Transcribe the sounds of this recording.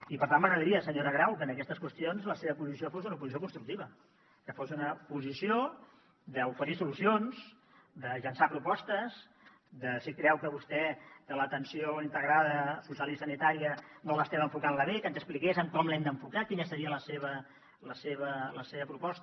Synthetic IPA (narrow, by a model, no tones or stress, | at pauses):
ipəɾt̪anməɣɾəðəɾiəsəɲoɾəɣ̞ɾawkənəkɛst̪əskwəst̪ionzləseβəpuzis̬iofosunəupuzisiokunst̪ɾuk̚t̪iβə | kəfosunəpuzisio | ðəufəɾisulusionz | d̪əʎənsapɾupɔst̪əz | d̪əsikɾɛwkəβust̪ɛd̪ələt̪ənsijoint̪əɣɾaðəsusalisənit̪aɾiənoləst̪ɛβəɱfukanləβekənzəsplikezəŋkɔmlɛmd̪əɱfukakinəsəɾiələseβə | ləseβələseβəpɾupɔst̪